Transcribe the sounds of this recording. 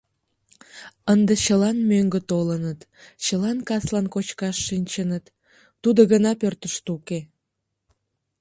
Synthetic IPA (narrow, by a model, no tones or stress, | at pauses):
ənd̪et͡ɕəlɑnmøŋɡət̪olənət̪ | t͡ɕəlɑnkɑslɑnkot͡ɕkɑʃːinʲt͡ɕənət̪ː | ud̪oɣənɑpørt̪əʃt̪uke